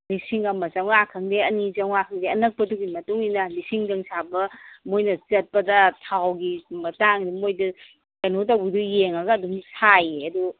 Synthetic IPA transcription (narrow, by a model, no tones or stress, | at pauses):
lisiŋɐmɐzɐŋakʰɐŋdeɐnizɐŋakʰɐŋdeɐnɐk̚pɐduɡimɐtuŋinɐlisiŋdɐŋsabɐmojnɐt͡ʃɐt̚pɐdɐtʰawɡimɐtaŋdimojdu | kɐnot̬ɐwbudujeŋaɡɐːduŋsʰajeɐdu